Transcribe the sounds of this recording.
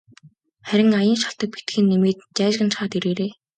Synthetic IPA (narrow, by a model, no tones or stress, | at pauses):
χæɾʲɪ̆ŋajə̆nʃaɬt̪ə̆k̚pit̪ɡĭnːemeːt̪t͡ɕæːʃɣə̆nt͡ɕχaːt̪iɾeːɾeː